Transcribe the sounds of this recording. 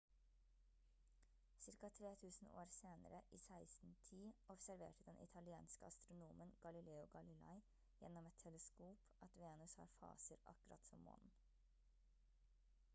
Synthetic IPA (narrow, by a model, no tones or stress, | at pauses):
sɪɾkɑt̪ʰɾeːt̪ʰʉːsn̩o̰ːɾseːnə̰ɾəʔiːsæɪsn̩t̪ʰiːʔɔbsæɾʋḛːʈəd̪ɛnʔɪ̰t̪ʰɑlɪeːnskəɑst̪ɾʊnuːmənɡ̥ɑlɪleːʊɡɑlɪlɑ̰ɪ | jɛnːɔmɛt̪ʰːɛləskuːpʔɑt̪ʋeːnʉshɑ̰ːɾfɑ̰ːsəɾʔɑ̰kʉɾɑ̰t̪sɔmːo̰ːnn̩